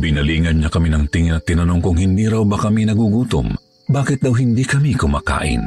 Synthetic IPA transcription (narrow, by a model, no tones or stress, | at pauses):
bɪnɐliːŋɐnɲɐkɐminɐŋt̪ɪŋɪnɐt̪ːɪnɐnoŋkʊŋhɪnd̪iːɾɐwbɐkɐminɐɡuɡuːt̪ʊ̰m | baːkɪt̪̚d̪ɐwɦɪnd̪ikɐmikʊmaːka̰ːʔɪ̰n